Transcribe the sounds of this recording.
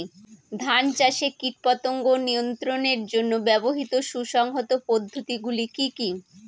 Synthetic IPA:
d̪ʱant͡ɕaʃekiʈ̚pɔt̪oŋɡonijont̪ɾoneɾd͡ʑonːobɛboɦit̪oʃuʃɔŋɦot̪opod̪ʱːot̪iɡulikiki

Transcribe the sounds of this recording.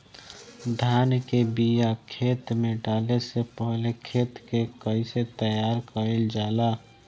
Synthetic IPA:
d̪ʱaːnkebijakʰeːt̪mẽɖaːlesepəɦlekʰeːt̪kekəiset̪əjaːɾkəɾeld͡ʒaːla

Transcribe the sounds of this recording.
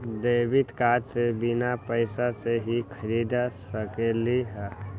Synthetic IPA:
d̪əbit̪kad͡ʒsebinapəɪsaseɦikʰəɾid̪asəkeliɦɛ

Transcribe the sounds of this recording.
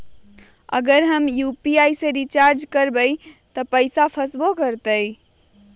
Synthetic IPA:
ə̰ɡəɾɦəmjupiajsẽɾit͡ʃaɾd͡ʒkəɾbəjt̪əpəɪsapʰəsbokəɾt̪əj

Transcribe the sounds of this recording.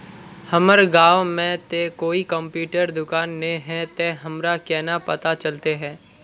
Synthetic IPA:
hɐməɾɡaːʋmẽt̪ekoːikə̃mpjuːʈəɾd̪ʊkaːnːẽɦɛ̃t̪eɦɐmɾakɛːnapɐt̪at͡ʃəlt̪eɦɛ̃ː

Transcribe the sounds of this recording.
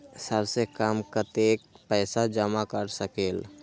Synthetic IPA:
səbsekaːmkət̪eːk̚pɛːsad͡ʒəmakəɾsəkeːl

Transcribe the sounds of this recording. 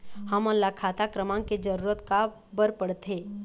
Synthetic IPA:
həmɔnlakʰaːt̪akɾəmãked͡ʒəɾuːɾət̪ka | bəɾpəɽt̪eː

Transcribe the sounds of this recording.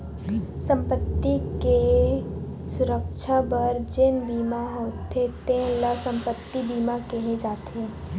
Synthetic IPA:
sə̃mpət̪ːike | sʊɾəkʃʰabəɾd͡ʒɪnbiːmaɦoːt̪ʰet̪ẽləsə̃mpət̪ːibiːmakeɦed͡ʒaːt̪e

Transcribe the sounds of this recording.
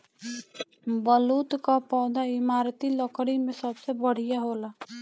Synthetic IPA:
bəluːt̪kapɔːd̪aɪmaːɾt̪iləkɽimẽsəbsebəɽ̤ijaɦoːla

